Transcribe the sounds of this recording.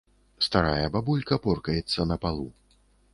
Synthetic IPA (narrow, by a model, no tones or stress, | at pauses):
st̪aɾajɐbabulʲkɐpɔrkɐjɛt̪sːɐnɐpalˠṵ